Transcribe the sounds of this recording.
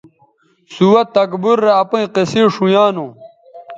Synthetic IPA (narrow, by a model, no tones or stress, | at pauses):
suwɐt̪ːɐkbuɾːeɐpũĩqesiʂũjaːnõ